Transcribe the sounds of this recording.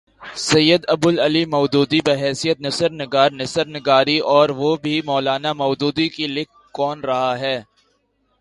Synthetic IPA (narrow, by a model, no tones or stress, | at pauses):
sɐjːəd̪ɐbʊlɐlimɔːd̪uːd̪ipeɦɛːsijət̪nɐsəɾnɪɡaːɾnɐsəɾnɪɡaːɾiʔɔːɾʋobʱimɔːlaːnamɔːd̪uːd̪ikilɪk̚ʰ | kɔːnɾɐɦaɦɛː